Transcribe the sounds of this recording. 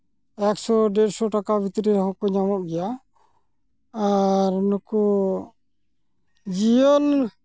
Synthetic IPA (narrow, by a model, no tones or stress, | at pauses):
ɛksɔɖɛɾsɔʈakabʱit̪ɾiɾɦɔkɔɲamɔʔ̚ɡɛja | ɾnɔkɔ | d͡ʒijɔl